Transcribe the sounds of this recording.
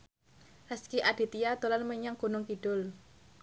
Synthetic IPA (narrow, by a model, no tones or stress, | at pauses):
haskiʔaɖ̥i̤t̪ijad̪̥o̤lanməɲaŋɡ̥o̤nʊŋkiɖ̥ʊl